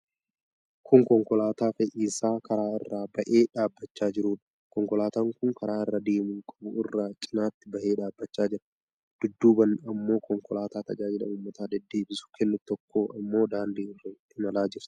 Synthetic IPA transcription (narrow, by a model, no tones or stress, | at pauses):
kʰʊŋkɔŋkɔlaːt̪aːfɛʔiːsaːkʰɐɾaːɪ̰rːaːbɐʔe̞ːᶑaːbːɐt͡ʃːaːd͡ʒɪɾuːᶑɐ̥ | kɔŋkɔlaːt̪aːŋkʊŋkʰɐɾaːɪrːad̪e̞ːmʊŋkʼɐbʊɪrːaːt͡ʃʼɪnaːt̪ːɪbɐʔe̞ːᶑaːbːɐt͡ʃːaːd͡ʒɪɾɐ̥ | d̪̥ʊd̪ːuːbɐnːɐmːo̞ːkɔŋkɔlaːt̪aːt̪ɐd͡ʒaːd͡ʒɪlɐ̰uːmːɐt̪ʰaːd̪ɛd̪ːe̞ːbɪsʊ̥kʰɛnːʊt̪ɔkːo̞ːʔɐmːo̞ːd̪aːnd̪iːɪrɐ | ɪmɐlaːd͡ʒɪɾt̪ɪ̥